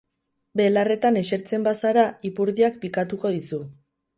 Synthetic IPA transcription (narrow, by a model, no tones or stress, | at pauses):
be̞lare̞t̪ane̞ʃe̞ɾt͡se̞mbasaɾaipuɾðiak̚pikat̪uko̞ðisu